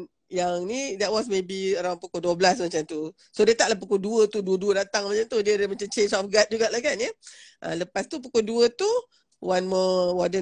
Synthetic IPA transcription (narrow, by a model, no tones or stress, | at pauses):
jaŋnidɛt̚wɔs̬mebiəɾaw̃npukoduəblasmat͡ʃamt̪u | sodet̪aʔlahpukoduət̪uduəduədat̪aŋmat͡ʃant̪udədəmat͡ʃamt͡ʃensɔfɡat̪̚d͡ʒuɡaʔlahkanjəʔə̰ləpast̪up̬ukoduət̪u | wanmɔwɔdə